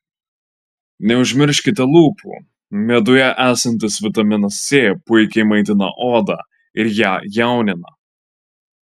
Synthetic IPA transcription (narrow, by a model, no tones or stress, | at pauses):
nʲɛʊʒʲmʲɪɾʲʃʲkʲɪt̪ʲɛlˠuːpṵː | mʲeːd̪ʊjɛʔæːsɐnʲt̪ʲɪsʋʲɪt̪ɐmʲɪnɐsʲeːpʊɪkʲɛɪmɐɪt̪̬ʲɪnɐ̰ʔoːd̪ɑ̰ | ɪɾjæːjæˑʊnʲɪnɐ̰